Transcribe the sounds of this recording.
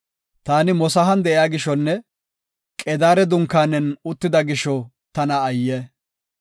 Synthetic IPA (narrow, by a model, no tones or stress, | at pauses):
t̪aːnɪmɔsɐɦɐnd̪ɛʔɪjaːɡɪʃɔnːɛ | kʼɛd̪aːɾɛd̪ʊŋkːaːnːɛnʊt̪ːɪd̪ɐɡɪʃɔ | t̪ɐnɐːjːɛ